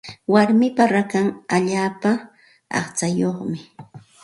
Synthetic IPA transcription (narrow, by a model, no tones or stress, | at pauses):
waɾmɪpaɾakaŋaʎaːpa | ɑ̰χt͡sajoχmɪ